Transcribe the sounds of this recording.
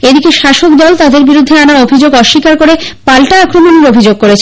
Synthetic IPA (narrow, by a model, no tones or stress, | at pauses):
ed̪ikeʃaʃokd̪ɔlt̪ad̪eɾbiɾud̪ʱːeanaobʱid͡ʑoɡɔʃːikaɾkoɾepalʈaakɾomoneɾobʱid͡ʑoɡ̚koɾet͡ɕʰ